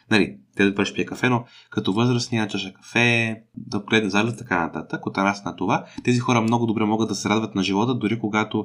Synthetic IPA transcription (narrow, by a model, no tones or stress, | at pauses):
nɐlḭt̪ɛd̪baɾɛʃpiɛkɐfɛnokɐt̪ɔvɤzɾəsnint͡ʃaʃəkɐ̥fɛd̪ɐb̪̚ɡlɛd̪nzaɾlɛt̪t̪ɐ̥kanɐt̪at̪əkːot̪ɐnasnɐt̪ovat̪ɛzixɔɾəmnɔɡʊd̪obɾɛmɔɡəd̪ɐsɛɾad̪vɐt̪nɐʒivɔt̪əd̪ʊɾikoɡat̪o